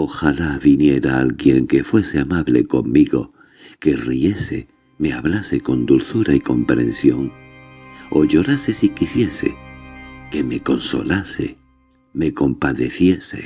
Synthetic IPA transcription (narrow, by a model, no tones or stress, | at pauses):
o̞xalaβinje̞ɾaalɣje̞ŋke̞fwe̞se̞amaβle̞̰ko̞mːiɣo̞ | ke̞rie̞sḛ | me̞aβlase̞ko̞nd̪ulθuɾaiko̞mpɾẽ̞̰nsjo̞ŋ | o̞ʎo̞ɾase̞sikisje̞se̞̰ | ke̞me̞ko̞nso̞̰lase | me̞ko̞mpaðe̞θje̞se̞̰